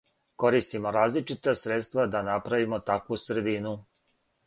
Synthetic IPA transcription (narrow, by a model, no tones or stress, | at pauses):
ko̞ɾist̪imoɾaːzlit͡ʃit̪asɾet̪st̪vʋad̪anapɾaʋimot̪akʋusɾed̪inu